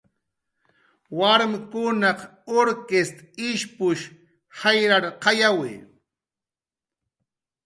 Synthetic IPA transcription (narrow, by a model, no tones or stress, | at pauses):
waɾmɪkʊnɑqoɾkest̪ɪʃpʊʃ | hajɾaɾqɑjawɪ̰